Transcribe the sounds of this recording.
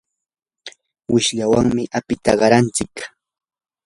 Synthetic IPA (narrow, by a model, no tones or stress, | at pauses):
wɪʃʎawaŋmɪʔapɪt̪aɢɑɾant͡sɪk